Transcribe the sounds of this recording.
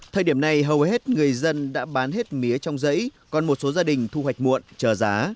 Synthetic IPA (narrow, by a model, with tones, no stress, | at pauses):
t̪ʰəː˨˩ɗi˧˩əmna˨jɦə˨˩whɦe˦˥t̚ŋɨ˨˩əjzə˧nɗa̰ː˧˥ɓaː˨˦nɦe˦˥t̚mi˨˦ət͡ɕɔ˧wŋ͡mzə̰˧˥jkɔ˨˩nmo˨˩t̚so˨˦zaː˧ɗï˨˩ŋ̟t̪ʰu˧wa˨˩jk̟̚mṵ˧˨ənt͡ɕəː˨˩zaː˨˦